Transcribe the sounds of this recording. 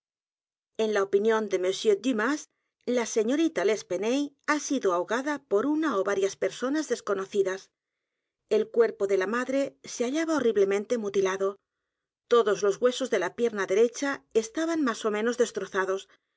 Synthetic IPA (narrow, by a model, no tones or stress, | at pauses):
e̞nlaopinjõ̞nd̪e̞mesjød̪imas | lase̞ɲo̞ɾit̪ale̞spe̞nej | asiðoaoɣaðapo̞ɾunaoβaɾjaspe̞ɾso̞nazðe̞sko̞no̞θiðas | e̞lkwe̞ɾpo̞ðe̞lamaðɾe̞seaʎaβaoriβle̞mẽnt̪e̞mut̪ilaðo̞ | t̪o̞ðo̞zlo̞zɣwe̞so̞zðe̞lapje̞ɾnaðe̞ɾe̞t͡ʃaest̪aβanmaso̞mẽno̞zðe̞st̪ɾo̞θaðo̞s